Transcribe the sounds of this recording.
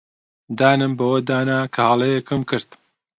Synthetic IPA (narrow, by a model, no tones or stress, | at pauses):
d̪aːnɨmbɐwɐd̪aːnaːkʰɐhɑːlˠɐjɛkɨmkʰɨɾt̪